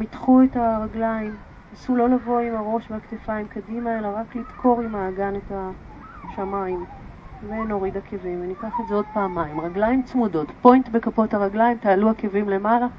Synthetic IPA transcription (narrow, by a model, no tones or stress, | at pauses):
mitχuetaʁaɡlaim | asulo̞lavo̞imaʁo̞ʃveaktefaimkadimae̞laʁaklidkʰo̞ʁimaːɡaneta | ʃamaim | veno̞ʁidakʰevimvenikaχezeo̞d̚paːmaimʁaɡlajimt͡smudo̞tpo̞jntbe̞kapothaʁaɡlajimtaːluake̞vimle̞mala